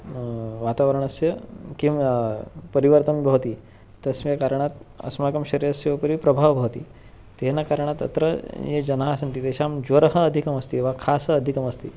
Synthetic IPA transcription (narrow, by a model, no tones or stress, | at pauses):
ʋat̪aʋəɾəɳ̃əsjəkĩ | pəɾiʋəɾt̪əmbʱəʋt̪iː | t̪əsʋjakaɾɳ̃at̪ɐ̰smakəmɕɐɾjəsjəʋpəɾiːpɾɐbʱaʋbʱaʋt̪iː | t̪enakaɾəɳ̃at̪ə̰t̪ɾə̰jed͡ʑɐnasənt̪iːt̪eɕamd͡ʑəɾɦəːd̪ʱikəməst̪iʋakʰasəːd̪ʱikəməst̪ḭː